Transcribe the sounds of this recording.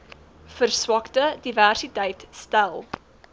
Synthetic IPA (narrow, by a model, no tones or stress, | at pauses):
fərswɐktədiværsitəjtstælˠ